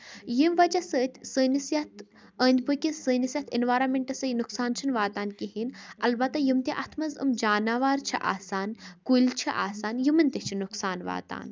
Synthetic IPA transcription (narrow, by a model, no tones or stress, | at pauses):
jimʋɐd͡ʒɐsəːt̪ʲʰsəːnisjɐt̪̚ʰ | əːnʲd̪ʲbɨkʲisəːnisjɐt̪ʰinʋaːɾɐːmʲeɳʈɐsɐjnuksaːnt͡ʃʰɨnʋaːt̪aːnkiɦinɐlbɐt̪ːɐjimt̪ʲiʔɐt̪ʰmɐzɨ̰md͡ʒaːnaːʋaːɾt͡ʃʰḭʔa̰ːsaːnkulʲt͡ʃʰiʔa̰ːsaːnjimɐnʲt̪it͡ʃʰinuksaːnʋa̰ːt̪a̰ːn